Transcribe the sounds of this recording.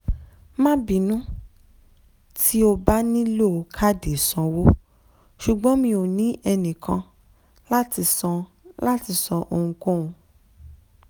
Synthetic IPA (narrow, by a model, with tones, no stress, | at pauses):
mã˦bi˨nũ˦ | tʰi˦o˧ba˦nĩ˦lo˦˨o˨˦kʰa˦˨de˨sɔ̃˨˧wo˦ | ʃu˨ɡ͡bɔ̃˨˦mĩ˧o˨nĩ˨˦ʔɛ˧nĩ˨kʰã˧ | la˦ti˧sɔ̃˧ | la˦ti˧˦sɔ˧ʔo˧hũ˧kõ˦˨ũ˧